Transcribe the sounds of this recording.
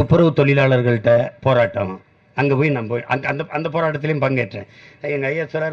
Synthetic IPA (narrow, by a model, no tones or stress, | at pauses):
ɐpːɯɾɐʋɯt̪ɔɭɪlaːɭɐɾɣɐɭɯʈːɐpoːɾaːʈːɐ̃ | ɐŋɡeːpoːjnaːmpoːjʔɐŋɐ̰nd̪ɐɐnd̪ɐpoːɾaːʈːɐt̪̬ːɪlɐjʊmpɐŋɡeːʈːɾḛ̃ː | ɛŋɡɐɐjɐsɐɾaːɾ